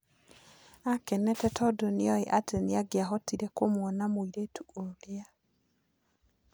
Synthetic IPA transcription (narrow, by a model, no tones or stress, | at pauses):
akɛnɛtɛtʰɔdoniɔeʔateneaɡeaɦɔtiɾɛkomwɔnamoiɾetʰuolea